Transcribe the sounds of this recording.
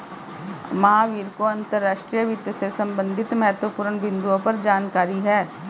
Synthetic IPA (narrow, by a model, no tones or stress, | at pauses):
mɐɦaʋiːɾkoɐ̃nt̪əɾːaːʃʈɾijəʋɪt̪əsesɐ̃mbə̃nd̪ʱɪt̪mɛɦɛt̪wəpuːɾəɳbɪ̃nd̪uõpɐɾd͡ʒaːnkaːɾiɦɛː